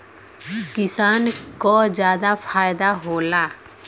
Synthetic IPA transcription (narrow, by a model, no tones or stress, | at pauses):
kɪsaːnkoːd͡ʒjaːd̪apʰaːjd̪aɦoːlaː